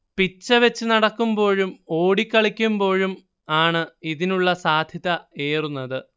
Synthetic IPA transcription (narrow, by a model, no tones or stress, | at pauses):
pit͡ɕːɐʋet͡ɕːɨnɐɽɐkːumbo̞ːɻumo̞ːɽikʲːɐɭikʲːumbo̞ːɻum | aːɳɨiðinuɭːɐsaːd̪ʱjɐðɐeːrunːɐðɨ